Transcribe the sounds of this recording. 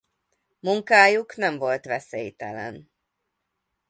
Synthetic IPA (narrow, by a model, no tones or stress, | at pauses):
muŋkaːjuknɛɱvo̞lt̪vɛseːjt̪ɛ̰lɛ̰n